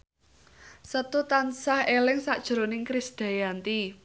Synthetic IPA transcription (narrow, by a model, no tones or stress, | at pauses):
sət̪ut̪ansahelɛŋsaʔd̥ʒ̥ɾonɪŋkɾɪsd̪̥a̤jant̪i